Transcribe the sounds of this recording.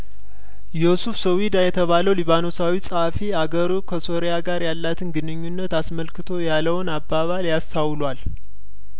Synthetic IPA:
josufsəwid̪ajɛt̪ʰəβaləwliβano̞sawisʼəhfiaɡəɾukʰəso̞ɾejaɡaɾjalːat̪ʰɨnɡɨnɨɲːunːət̪asməlkɨt̪ʰo̞jalːəwnabːaβaljast̪ʰawlwal

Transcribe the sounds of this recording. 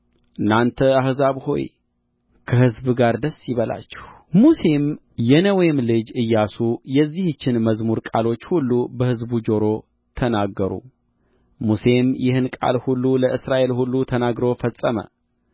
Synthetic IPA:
ʔɨnːant̪ʰəahzaβho̞̰j | kʰəhɨzbɡaɾd̪əsːjɪβəla̰t͡ʃːɛh | muse̞m | jɛnəwemlɨd͡ʒɨjːasujɛzːiht͡ʃːɪnməzmuɾkʼalo̞t͡ʃːhulːubəhɨzbud͡ʒo̞ɾo̞ | t̪ʰənaɡːəɾṵ | muse̞mjʔɪhɨnkʼa̰lhulːuləʔɨsɾaʔe̞lhulːut̪ʰənaɡɾo̞fəsʼːəmə̰

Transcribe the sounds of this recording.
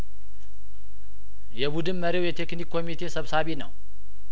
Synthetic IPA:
jɛβud̪ɨnməɾewjɛt̪ʰe̞knikʰːo̞mit̪ʰe̞səβsaβinəw

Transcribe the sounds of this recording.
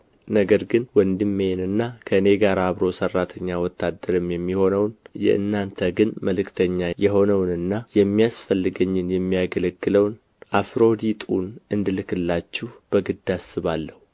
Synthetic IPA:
nəɡəɾɡɨnwɔnd̪ɨmːenɨnːakʰəɨne̞ɡaɾaːβɾo̞sərːat̪ʰəɲːawɔt̪ʰːad̪ːəɾɨmjɛmːiho̞nəwnjɛ̰ʔɨ̰nːant̪ʰəɡɨnməlɨkt̪ʰəɲːajɛɦo̞nəwnɨnːajɛmːijasfəlːɨɡəɲːɪnjɛmːijaɡələɡːɨləwn | ʔafɾo̞d̪it̪ʼunɨnd̪ɨlɨkɨlːat͡ʃːɛb̥əɡɨd̪asːɨβalːəhu

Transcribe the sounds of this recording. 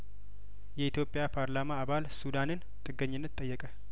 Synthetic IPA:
jɛit̪ʰjo̞pʼjapʰaɾlamaːβalsud̪anɨn | t̪ʼɨɡːəɲːɪnːət̪ʼːəjːɛkʼə

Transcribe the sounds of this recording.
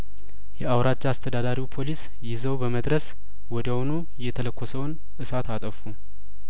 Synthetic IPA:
jɛawɾat͡ʃːast̪ʰəd̪ad̪aɾiwpʰo̞lis | jɪzəwbəməd̪ɾəs | wɔd̪əhonu | jɛt̪ʰələkʰʷːɔsəwn | ʔɨsat̪ʰat̪ʼəfu

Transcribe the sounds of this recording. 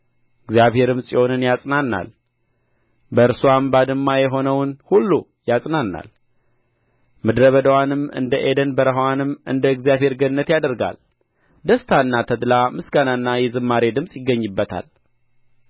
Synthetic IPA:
ɨɡzjaβhe̞ɾɨmsʼiho̞nɨnjasʼnanːa̰l | bəɨɾsuwambad̪ɨmːajɛɦo̞nəwnhulːu | jasʼnanːa̰l | mɨd̪ɾəβəd̪əwanɨmɨ̰nd̪əʔed̪ənbəɾəɦwanɨmɨ̰nd̪əɨɡzjaβhe̞ɾɡənːət̪jad̪əɾɡa̰l | d̪əst̪ʰanːat̪ʰəd̪lamɨsɡananːajɛzɨmːaɾe̞d̪ɨmsʼjɪɡːəɲːɨbːət̪ʰa̰l

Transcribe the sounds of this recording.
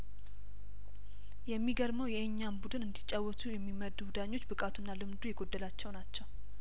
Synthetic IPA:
jɛmːiɡəɾməwjɛɨɲːambud̪ɨnɨnd̪it͡ʃʼːawːɔt̪ʰujɛmːiməd̪uwud̪aɲːo̞t͡ʃːbɨkʼat̪ʰunːalɨmd̪ujɛɡo̞d̪ːəlat͡ʃːɛwnat͡ʃːɛw

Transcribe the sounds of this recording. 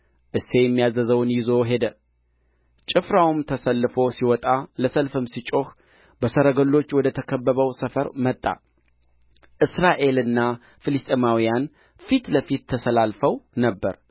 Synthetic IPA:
ʔɨse̞jɛmːijazəzəwnjɪzo̞ɦe̞d̪ə | t͡ʃʼɪfɾawumt̪ʰəsəlːɨfo̞siwɔt̪ʼaləsəlfɨmsit͡ʃʼo̞x | bəsəɾəɡəlːo̞t͡ʃːwɔd̪ət̪ʰəkʰəbːəβəwsəfəɾmət̪ʼːa̰ | ʔɨsɾaʔe̞lɨnːa | fɨlɨst̪ʼemawijan | fit̪ləfit̪ʰːəsəlalfəwnəbːəɾ

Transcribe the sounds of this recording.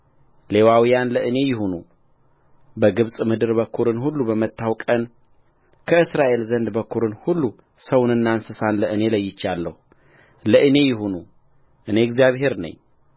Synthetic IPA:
le̞wawijanləʔɨne̞jɪɦonu | bəɡɨβsʼmɨd̪ɨɾbəkʰːuɾɨnɦulːubəmət̪ʰːawkʼən | kʰəɨsɾaʔe̞lzənd̪bəkʰːuɾɨnhulːu | səwnɨnːansɨsanləʔɨne̞ləjːɪt͡ʃːalːəhu | ləʔɨne̞jɪɦonu | ʔɨne̞ɛɡzijaβɦe̞ɾnə̰ɲː

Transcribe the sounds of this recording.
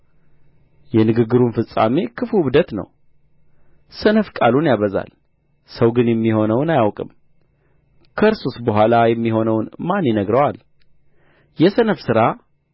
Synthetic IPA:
jɛnɨɡɨɡːɨɾunfɨsʼa̰me̞kʰɨfuɨβd̪ət̪nə̰w | sənəfkʼalunjaβəza̰l | səwɡɨnjɛmːiho̞nəwnajawkʼɨ̰m | kʰəɨɾsusbəɦʷalajɛmːiɦo̞nəwnmanjɛnəɡɾəwal | jɛsənəfsɨɾa

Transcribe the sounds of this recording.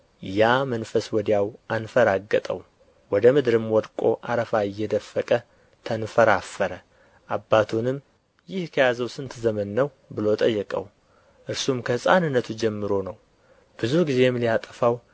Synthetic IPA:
jamənfəswɔd̪jawʔanfəɾaɡːət̪ʼə̰w | wɔd̪əmɨd̪ɾɨmwɔd̪kʷʼo̞̰ʔa̰ɾəfaɪjːɛd̪əfːəkʼə | t̪ʰənfəɾafːəɾə | ʔabːat̪ʰunɨm | jɪhkʰəjazəwsɨnt̪ʰzəmənːəw | bɨlo̞t̪ʼəjːɛkʼə̰w | ʔɨɾsumkʰəhɨsʼanɨnːət̪ʰud͡ʒɛmːɨɾo̞nəw | b̥ɨzuɡize̞mlijat̪ʼəfaw

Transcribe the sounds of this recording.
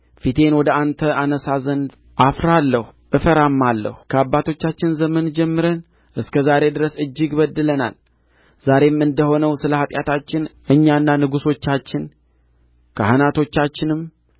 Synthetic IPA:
fit̪ʰe̞nwɔd̪əʔant̪ʰəʔanəsazənd̪ | ʔafɾalːəhuʔɨfəɾamːalːə̰hukʰəabːat̪ʰo̞t͡ʃːat͡ʃːɪnzəmənd͡ʒɛmːɨɾən | ʔɨskʰəzaɾe̞d̪ɨɾəsɨd͡ʒːɪɡbəd̪ːɨləna̰l | z̥aɾe̞mɨnd̪əho̞nəwsɨləhat̪ʼjat̪ʰat͡ʃːɪnʔɨɲːanːanɨɡuso̞t͡ʃːat͡ʃːɪn | kʰəhanat̪ʰo̞t͡ʃːat͡ʃːɪnɨm

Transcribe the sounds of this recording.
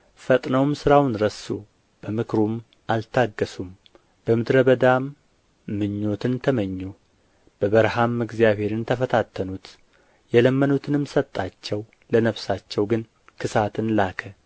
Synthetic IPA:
fət̪ʼnəwmsɨɾawnɾəsu | b̥əmɨkʰɾum | ʔalt̪ʰaɡːəsum | b̥əmɨd̪ɾəβəd̪amː | ɨɲːo̞t̪ʰɨnt̪ʰəməɲːu | b̥əβəɾhamɨɡzjaβhe̞ɾɨnt̪ʰəfət̪ʰat̪ʰːənut̪ | jɛləmːənut̪ʰɨnɨmsət̪ʼːat͡ʃːɛw | lənəβsat͡ʃːɛwɡɨn | kʰɨsat̪ʰɨnlakʰə

